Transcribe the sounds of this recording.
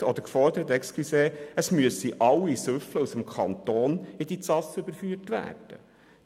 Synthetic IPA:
ɔd̪əɾkfɔɾd̪əɾət̪ɛkskiseːəsmyəsiʔɑlːisøfləusəmkʰɑnt̪oːnɪd̪it͡sɑsʏbəɾfyːrtʋæ̰ːrd̥ə

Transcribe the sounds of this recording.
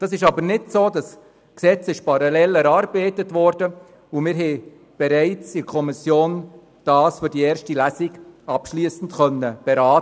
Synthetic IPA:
d̥ɑsɪʃɑbənɪdsoːdɑs | ksɛt͡sɪʃpɑɾɑlɛlɛɾɑːɾbeːtətʋɔɾd̥ə | ʊmɪɾɦɛɪ | b̥ɛɾæɪt͡sɪɾkʰɔmɪsjoːn | d̥ɑːsfʏɾdiɛːɾʃtilæsɪɡɑpʃliːsn̩txœnːəb̥ɛɾaːtə

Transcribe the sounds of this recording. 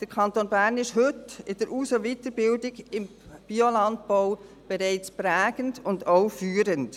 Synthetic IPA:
d̥əɾkʰɑntoːnbæːɾnɪʃhɵtɪd̥əɾʔuːsəʋitəɾbɪldɪɡɪm | b̥iolɑnt̚boʊ | b̥ɛɾɛɪt͡spɾæːɡəndʊndoʊfyːɾənt

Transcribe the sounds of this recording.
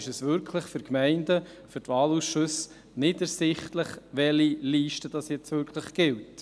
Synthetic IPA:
ɪʃɛsʋʏɾkʰləχfʏɾkmæɪndə | fʏɾtʋɑːluːsʃʊs | nɪdəɾsɪχtləχʋɛliliːʃtəd̥ɑsjɛt͡sʋʏɾkʰləχɡ̥ɪlt

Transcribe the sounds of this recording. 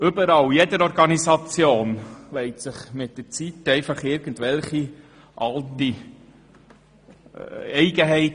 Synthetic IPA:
ʏbəɾɑljɛdəɾɔɾɡɑnisɑt͡sjoːnlɛɪtsəχmɪt̚d̥ət͡sitɛɪfɑχɪɾɡ̥əndʋɛlχi | ʔɑlti | ɛɪɡəɦɛɪt

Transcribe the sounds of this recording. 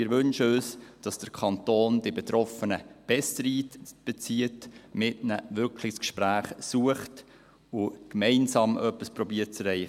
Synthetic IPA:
ɪɾʋʏnʃəøːsd̥ɑsd̥əɾkʰɑntoːndɪbɛt̪ɾɔfənəb̥ɛstɾiːtb̥ɛt͡siətmɪtnəʋʏɾkʰlɪskʃpɾæːχsuəχt | ʊkmɛɪnsɑːmʔœpːisprɔbiːəɾt̚t͡sɾɛɪ

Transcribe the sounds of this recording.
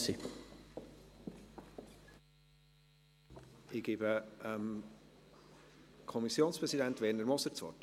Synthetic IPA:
si | ɪɡ̥ɪbəəm | kʰɔmisjoːnspɾʁɛsidænt̪ʋɛrnəɾmɔsəɾt͡sʋɔ̰rt

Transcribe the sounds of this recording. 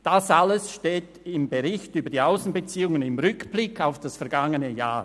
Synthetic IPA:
d̥asaləsʃteːtɪmbeɾɪçtyːbɐdiaʊsn̩bet͡siːʊŋənɪmʁʏkb̥lɪkʰːaʊfd̥asfɛɐɾɡaŋənəja̰ː

